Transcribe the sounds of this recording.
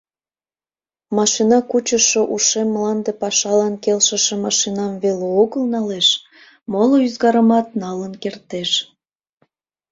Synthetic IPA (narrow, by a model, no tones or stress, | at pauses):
mɑʃinɑkut͡ɕəʃoʔuʃemːlɑnd̪epɑʃɑlɑnkelʃəʃemɑʃinɑmveleoɣəlnɑleʃ | moloyzɣɑɾəmɑt̪̚nɑlənkert̪eʃ